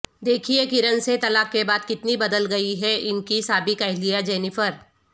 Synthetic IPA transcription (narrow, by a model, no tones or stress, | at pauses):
d̪eːkʰiekɪɾə̃nset̪ɐlaːkːebaːd̪̚kɪt̪nibɐd̪əlɡɐiɦɛɪnkisaːbɪkɐɦlijad͡ʒɛːnɪfəɾ